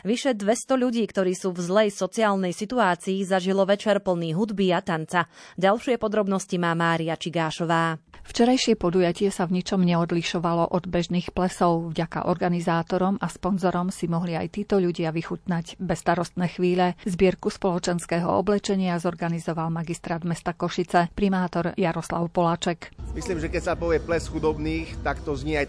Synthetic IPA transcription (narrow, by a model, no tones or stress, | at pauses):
ʋiʃɛd̪ʋɛst̪ɔʎuɟiːkt̪ɔɾiːsuːvzlɛjsɔt͡siaːlnɛjsit̪uaːt͡siːzaʒilɔʋɛt͡ʃɛɾpl̩niːɦud̪biat̪ant͡saɟalʃɪɛpɔd̪ɾɔbnɔscimaːmaːɾiat͡ʃiɡaːʃɔʋaːft͡ʃɛɾajʃɪɛpɔd̪ujacɪɛsavɲit͡ʃɔmɲɛɔd̪liʃɔʋalɔʔɔd̪bɛʒniːxplɛsɔʊvɟaka̰ʔɔɾɡanizaːt̪ɔɾɔmaspɔnzɔɾɔmsimɔɦliajt̪iːt̪ɔʎuɟɪaʋixut̪naɟbɛst̪aɾɔst̪̚nɛːxʋiːʎɛzbɪɛɾkuspɔlɔt͡ʃɛnskɛːɦɔ̰ɔ̰blɛt͡ʃɛɲɪazɔɾɡanizɔʋalmaɡist̪ɾaːd̪mɛst̪akɔʃit͡sɛpɾimaːt̪ɔɾjaɾɔsla̰ʊpɔlat͡ʃɛkmisliːmʒɛkɛcsapɔʋɪɛplɛsxud̪ɔbniːxt̪akt̪ɔzɲiaj